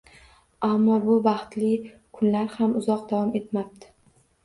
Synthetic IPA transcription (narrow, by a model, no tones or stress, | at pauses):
amːɒbʊbɑχt̪lɪ | kʰʊnlaɾhamʊzɒq̚d̪avɒme̞t̪map̚t̪ʰɪ̥